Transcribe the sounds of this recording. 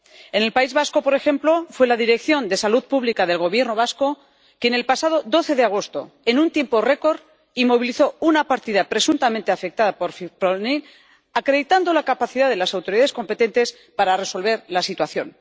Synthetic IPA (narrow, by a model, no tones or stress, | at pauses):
e̞ne̞lpaizβasko̞po̞ɾe̞xe̞mplo̞fwe̞laðiɾe̞kθjo̞nd̪e̞saluðpuβlikaðe̞lɣ̞o̞β̞jeɾno̞β̞asko̞ | kene̞lpasað̞od̪o̞θe̞ðeaɣ̞o̞st̪o̞̰e̞nunt̪je̞mpo̞re̞ko̞ɾ | imo̞βiliθo̞unapaɾt̪iðapɾe̞sunt̪amẽnt̪eafe̞k̚t̪aðapo̞ɾfipɾonil | akɾe̞ðit̪and̪o̞lakapaθiðaðe̞lasawt̪o̞ɾiðaðe̞sko̞mpe̞t̪e̞nt̪e̞s | paɾare̞so̞lβe̞ɾlasit̪waθjo̞̰n